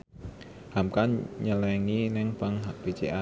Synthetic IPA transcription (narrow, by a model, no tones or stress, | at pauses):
hamkanɲəlɛŋinɛŋpaŋɦaʔpet͡ʃeʔa